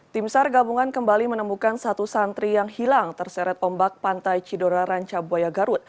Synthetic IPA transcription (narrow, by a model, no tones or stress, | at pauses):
t̪imsarɡabuŋankəmbalimənəmukansat̪usant̪ɾijaŋhilaŋt̪ərsɛɾɛt̪ɔmbak̚pant̪ajt͡ʃidoɾaɾaɲt͡ʃabuajaɡaɾut̪̚